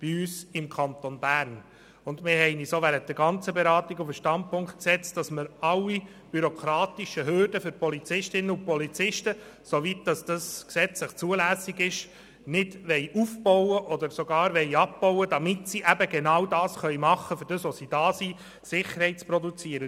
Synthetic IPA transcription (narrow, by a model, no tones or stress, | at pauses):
b̥iyːsɪmkʰɑnt̪onbæːɾn | ʊndmɪɾhɛɪnisoʋæɾənt̚d̥əɾɡɑnt͡səbɛɾɑːtiɡufəʃtɑnd̚pʊŋkt̚ksɛt͡std̥ɑsməɾɑlːi | b̥yɾokʰɾɑːt̪iʃəɦøɾd̥əfʏɾpɔlit͡sɪʃtɪnːəʊpɔlit͡sɪʃtə | soʋit̚d̥ɑsd̥ɑsksɛt͡sləχt͡suəlæːsːiɡɪʃ | nɪdʋɛɪʔufbɔwəʔɔd̪əɾsoɡɑːɾʋɛɪɑp̚b̥ɔwəd̥ɑmɪtsiʔæbəɡenɑwdɑːsχœʏjmɑχəfʏɾdəsʋɔsid̥ɑːsi | sɪχəɾhɛɪt̚t͡spɾɔdut͡siəɾə